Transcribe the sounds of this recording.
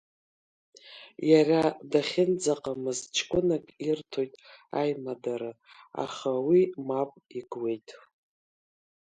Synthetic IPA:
jaradaχʲɪnd͡zaqʼamɨzt͡ʃʰkʷʼʊnakʼirtʰo̞jtʼajmadaɾɨ | a̰χawimapʼiɡwe̞jtʼ

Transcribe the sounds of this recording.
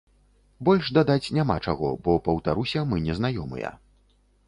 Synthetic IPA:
bɔlʲʂd̪ad̪at͡sʲnʲamat͡ʂaɣɔ̰bɔpɐwt̪aɾusʲɐmɨnʲɛzn̪ajɔmɨ̰jɐ̰

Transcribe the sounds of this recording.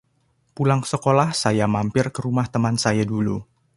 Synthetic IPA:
pulaŋsəkolahsajamampɪrkəɾumaht̪əmansajadulṵ

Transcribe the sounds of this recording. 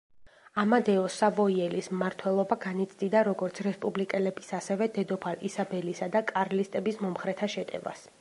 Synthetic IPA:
amad̪ɛɔsavɔiɛlismmaɾt̪ʰwɛlˠɔbaɡanit̪sʰd̪id̪aɾɔɡɔɾt̪sʰɾɛspʼublikʼɛlɛbisasɛvɛd̪ɛd̪ɔpʰalisabɛlisad̪akʼaɾlist̪ʼɛbismɔmχɾɛt̪ʰaʃɛt̪ʼɛ̰va̰s

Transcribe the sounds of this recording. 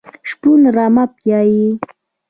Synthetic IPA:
ʃpunɾamapjaji

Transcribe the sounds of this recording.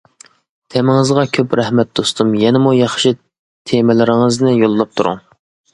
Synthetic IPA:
t̪ʰɛmɪŋɨzʁɑkʲʰøpɾɛhmɛt̪̚d̪ost̪umjɛnɪmujɑχʃi | t̪ʰemɪlɪɾɪŋɨznɪjolˠːɑp̚t̪ʰuɾṵŋ

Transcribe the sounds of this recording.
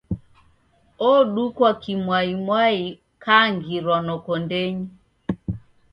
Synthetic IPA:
ɔɗukwakimwaimwai | kaŋɡiɾwanɔkɔndɛɲi

